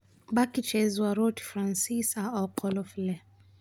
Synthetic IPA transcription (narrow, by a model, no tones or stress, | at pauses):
bakit͡ʃɛziwaɾɔti̥fɾansisaɔkʰɔlɔflɛ